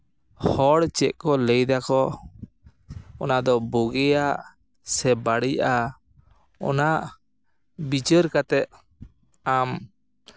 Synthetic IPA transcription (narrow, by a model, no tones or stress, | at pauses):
hɔɽt͡ʃɛʔ̚kɔləjd̪akɔ | ɔnad̪ɔbɔɡɛjaʔ | sɛbaɽijʔa | ɔ̰naʔ | bit͡ʃəɾkat̪ɛʔ̪̚ | am